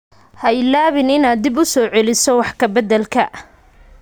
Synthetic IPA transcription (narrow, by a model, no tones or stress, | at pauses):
hɐɪlaːβɪnɪnaːd̪ɪbʊsɔːʕɛlɪsɔwɑħkʰɐbɐd̪ɛlkʰɐ